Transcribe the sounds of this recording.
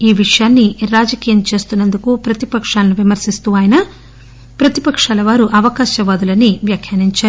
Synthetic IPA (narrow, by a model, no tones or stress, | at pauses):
iːʋiʂɐjaːnːiɾaːd͡ʒɐkiːjɐmt͡ʃe̞ːst̪unːɐnd̪ukupɾɐt̪ipɐkʂaːlɐnuʋimɐɾsist̪uːʋaːjɐnɐ | pɾɐt̪ipɐkʂaːlɐʋaːɾuʔɐʋɐkaːʃɐʋaːd̪ulɐnːiʋjakʰjɐːniɲt͡ʃaːɾu